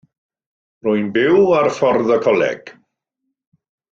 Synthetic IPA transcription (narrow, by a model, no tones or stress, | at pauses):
rʊjnbɪwarfɔrðəkʰɔlɛ̰ɡ̥